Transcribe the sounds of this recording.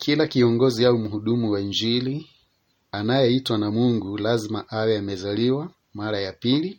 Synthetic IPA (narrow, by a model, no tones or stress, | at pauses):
kʰilakiɔŋɡɔziaumuhuɗumuwaind͡ʒili | anajɛitwanamuŋɡulazimaʔawɛamɛzaliwa | maɾajapili